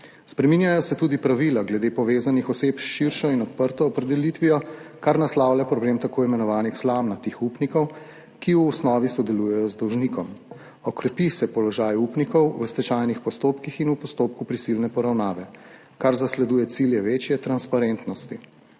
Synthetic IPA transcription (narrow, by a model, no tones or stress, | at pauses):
spɾɛminjajɔsɛt̪uːd̪ipɾaʋilaɡlɛd̪eːpɔʋeːzanixɔseːpʃiɾʃɔinɔt̪̚pəɾt̪ɔːpɾɛd̪ɛlit̪ʋijɔkaɾnaslawlʲjapɾɔbleːmt̪akoːimɛnɔʋaːnixslamnat̪exupnikɔw | kiuɔsnɔːʋisɔd̪ɛlujɛjɔzd̪ɔwʒnikɔm | ɔkɾɛpisɛpɔlɔʒaːjupnikɔwwəst̪ɛt͡ʃajnixpɔst̪oːpkixinupɔst̪oːp̚kupɾisilnɛpɔɾawnaːʋɛ | kaɾzaslɛd̪uːjɛt̪siljɛʋeːt͡ʃjɛt̪ɾanspaɾent̪nɔst̪i